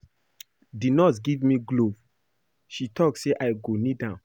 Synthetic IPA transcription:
dinɔsɡivmiɡlov | ʃitʰɔkseʔaɪɡonidã

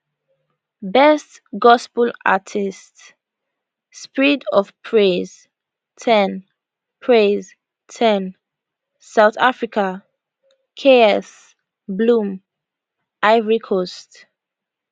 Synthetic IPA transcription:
bɛst | ɡɔspəla̰tʰists | spiɹidɔvpʰɹez̥ | tʰɛn | pʰɹez | tʰɛ̃n | saʊθafɹikʰa | kʰeɔs | blũm | aɪvɹikʰost

